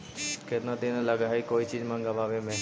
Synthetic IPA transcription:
ket̪nad̪enəlaɡaɦaikoːit͡ʃid͡ʒmãŋɡaʋaːʋemẽ

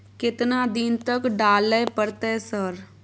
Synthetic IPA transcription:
kɪt̪nad̪ɪnt̪əkɖaːlːəpəɾt̪ɛsəɾ

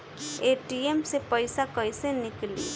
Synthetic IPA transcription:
eʈiemsepəjsakəjseniklḭ

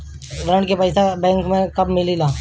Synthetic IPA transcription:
ɾɐ̃ɳɖkepɛɪsabɛ̃ːŋkmẽkɐbmɪlilaː

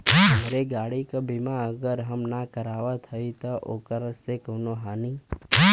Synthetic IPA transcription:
məɾeɡaːɽikəbʱimãəɡəɾɦəmnakəɾaʋat̪ʰəit̪əʔokəɾəsekənoɦani

